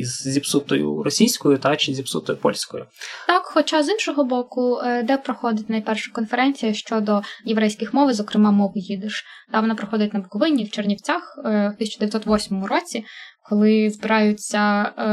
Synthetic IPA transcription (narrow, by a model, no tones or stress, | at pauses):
izːʲipsut̪ɔjʊ̰ɾɔsʲijsʲkɔjʊt̪ɑt͡ʃɪzʲipsṵt̪ɔjʊpɔ̰lʲsʲkɔjʊt̪ɑkxɔt͡ʃazinʃɔɦɔbɔkʊd̪ɛpɾɔxɔd̪ɪtʲnɐjpɛrʃɐ̥kɔnfeɾɛnʲt͡sʲijɐʃt͡ʃɔd̪ɔjeʋɾɛjsʲkɪxmɔʋzɔkɾɪmɑmɔɦʊjid̪ɪʃd̪̥ɑʋɔnɑpɾɔxɔd̪ɪtʲnɐbʊkɔʋɪnʲːiwt͡ʃernʲiwt͡sʲaxt̪ɪsʲɐt͡ʃʊd̪eʋʲjt̪sɔt̪ʋɔsʲmɔmʊɾɔt͡sʲikɔlˠɪzbɪɾɑjʊt͡sʲːɐ